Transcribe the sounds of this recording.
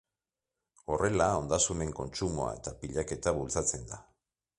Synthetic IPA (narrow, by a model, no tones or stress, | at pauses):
o̞re̞lao̞nd̪asune̞ŋko̞nt͡ʃumoa̰e̞t̪apiʎake̞t̪aβult͡sat͡se̞nd̪a